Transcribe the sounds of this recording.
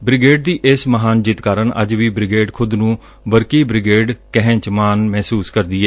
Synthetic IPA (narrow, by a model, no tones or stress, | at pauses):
bɾɪɡeːɖ̚d̪iːʔɪsməɦaːnd͡ʒɪt̪kaːɾəɳʔə̰d͡ʒʋiːbɾɪɡeːɖkʰʊd̪nũː | bəɾkiːbɾɪɡeːɖkɛɦɛ̃t͡ʃmaːnmɛːsuːskəɾd̪iːɛː